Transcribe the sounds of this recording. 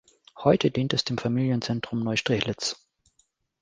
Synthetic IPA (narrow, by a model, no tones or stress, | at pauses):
hɔʏtʰədiːntɛsd̥eːmfamiːljənt͡sɛntʁ̥ʊmnɔʏʃtʁ̥ɪçlɪt͡s